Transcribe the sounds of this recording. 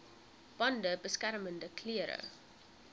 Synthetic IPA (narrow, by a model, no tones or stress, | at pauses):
b̥ɐndəbəskærməndəkʰliəɾə̰